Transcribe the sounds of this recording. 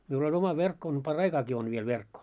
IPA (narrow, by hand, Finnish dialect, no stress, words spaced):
miul olʲ omɑ ʋerkːo on pɑrːɑikɑːki on ʋiel ʋerkːo